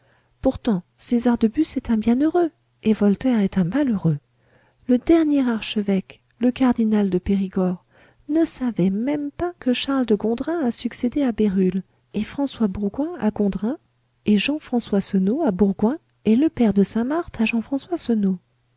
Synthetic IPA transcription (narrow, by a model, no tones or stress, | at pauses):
puʁt̪ɑ̃sezaʁd̪əbysɛt̪ɛ̃bjɛ̃nøʁø | evɔlt̪ɛʁɛt̪ɛ̃maløʁø | ləd̪ɛʁnjɛʁaʁʃəvɛk | ləkaʁd̪inald̪əpeʁiɡɔʁ | nəsavɛmɛmpakəʃaʁld̪əɡɔ̃d̪ʁɛ̃asyksed̪eabeʁyl | efχɑ̃swabuʁɡwɛ̃aɡɔ̃d̪ʁɛ̃ | eʒɑ̃fχɑ̃swasɔnoabuʁɡwɛ̃ | eləpɛʁd̪əsɛ̃maʁt̪ʰaʒɑ̃fχɑ̃swasɔno